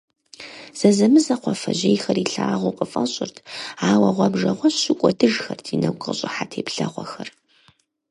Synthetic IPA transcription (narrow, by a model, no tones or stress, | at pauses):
z̥ɐzɐmɨzɐqʷɔfɐʑejxɐriɬaːʁʷʊqʼəfʼɐɕʼɪrtʰaːwɐʁʷɔbʐɐʁʷɔɕɕɪkʷʼɔdɨʒxɐrtʰinɐwkʼə̰ɕʼɪħatʰeːpɬɐʁʷɔxɐr